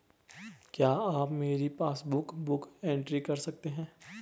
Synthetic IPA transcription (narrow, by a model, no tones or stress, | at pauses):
kjaːaːpmeːɾipaːsbʊkbʊkẽːɳʈɾikɐɾsɐk̚t̪eɦɛ̃ː